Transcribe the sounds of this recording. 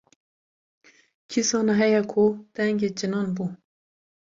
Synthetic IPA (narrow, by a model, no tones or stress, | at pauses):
kʰisɑːnɑɦɛjɛkʰud̪̥ɛŋɡeːd͡ʒɨnɑːnbu